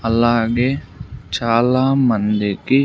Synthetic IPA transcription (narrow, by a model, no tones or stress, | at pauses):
əlaːɡet͡ʃaːlaːmənd̪eki